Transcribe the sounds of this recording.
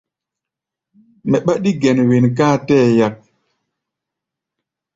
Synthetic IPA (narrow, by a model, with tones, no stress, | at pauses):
mɛ˨ɓa˦ɗi˦ɡɛ˨nwe˨nɡãː˦˨tɛ˦˨ja˨k̚